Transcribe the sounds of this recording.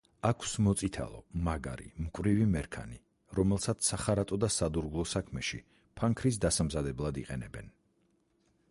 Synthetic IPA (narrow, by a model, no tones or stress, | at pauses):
akʰsmɔt̪sʼit̪ʰa̰lˠɔ̰maɡa̰ɾḭmkʼwɾivimɛɾkʰa̰ni | ɾɔmɛlˠsat̪sʰsaχaɾat̪ʼɔd̪asad̪uɾɡlˠɔsakʰmɛʃi | pʰaŋkʰɾis̬d̪asamzad̪ɛblˠad̪iqʼɛnɛbɛn